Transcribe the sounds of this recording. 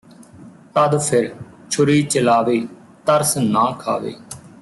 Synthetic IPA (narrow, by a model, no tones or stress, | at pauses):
t̪əd̪pʰɪɾ | t͡ʃʰʊɾiːt͡ʃəlaːʋeː | t̪əɾsnãːkʰa̰ːʋḛː